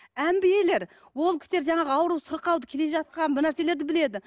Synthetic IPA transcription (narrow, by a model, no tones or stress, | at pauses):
æmbɪjele̞ɾ | wo̞lˠkʲʰɪ̥st̪eɾʒɑɴɑʁəɑwɾusʊɾqɑwd̪əkʲʰe̞le̞ʒɑt̪̚qɑnbɪnæɾse̞le̞ɾd̪ɪbɪle̞d̪ɪ